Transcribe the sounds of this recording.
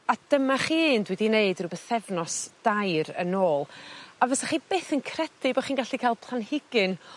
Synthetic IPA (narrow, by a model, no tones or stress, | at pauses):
ad̥əmaχiːndwɛdineɨdrɾubɛθɛvnɔsd̥ajɾə̰noːlˠavɛsaχib̥eːθənkʰrɛdɨbɔχiːnɡaɬikʰajlˠpʰlˠanhɪɡɨn